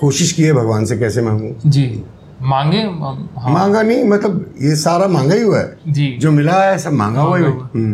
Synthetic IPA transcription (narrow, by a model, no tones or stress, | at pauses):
koːʃɪʃkieɛbʱɐɡʋaːnsekɛːsemãːŋɡoːd͡ʒiː | mãːŋɡẽɦmãːŋɡanɐɦĩmɐt̪ləbjesaːɾamãːŋɡaiɦuaɦɛ̰d͡ʒiːd͡ʒoːmɪlaːsɐbmã̰ːŋɡaɦuaioɦm